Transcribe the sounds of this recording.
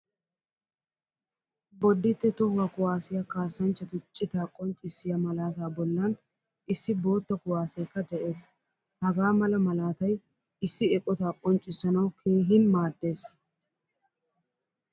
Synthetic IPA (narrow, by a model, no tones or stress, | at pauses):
bɔd̪ːɪt̪ːɛt̪ɔhwɐkʊwaːsɪjɐkaːsːɐnt͡ʃːɐt̪ʊt͡ʃʼːɪt̪aːkʼɔnt͡ʃʼɪsːɪjɐmɐlaːt̪aːbɔlːɐn | ɪsːɪbo̞ːt̪ːɐkʊwaːsɐjkːɐd̪ɛʔe̞ːs | hɐɡaːmɐlɐmɐlaːt̪ɐj | ɪsːɪɛkʼːɔt̪aːkʼɔnt͡ʃʼɪsɐnɐwkʰe̞ːɦɪnmaːd̪ːe̞ːs